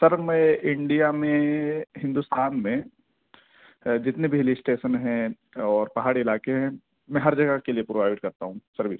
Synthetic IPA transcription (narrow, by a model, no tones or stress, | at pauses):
sɐɾmɛ̃ʔɪ̃ɳɖijamẽɦɪ̃nd̪ust̪aːnmẽ | d͡ʒɪt̪nebʱeːliɪsʈeːʃənɦɛ̃ | ɔːɾpɐɦaːɽiɪlaːkeɦɛ̃ | mɛ̃ːɦɐɾd͡ʒɐɡakeliepɾoʋaːɪʈkɐɾt̪aɦũsɐɾbʱi